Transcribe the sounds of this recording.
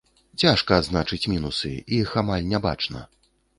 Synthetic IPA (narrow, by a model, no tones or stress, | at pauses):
t͡sʲaʂkɐːd̪znat͡ʂɨt͡sʲmʲinusɨ̰ixamalʲnʲaba̰t͡ʂnɐ̰